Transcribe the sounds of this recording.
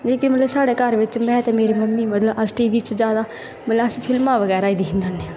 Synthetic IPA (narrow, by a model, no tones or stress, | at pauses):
d͡ʒeːkɪmət̪ləbsaːɽeːkəɾʋɪt͡ʃmɛ̃ːt̪ɛːmeːɾeːməmːiːmət̪ləbəsʈiːʋiːt͡ʃzjaːd̪aː | mət̪ləbəsipʰɪlmãːʋəɣɛːɾaːiːd̪iɦɪnaːneː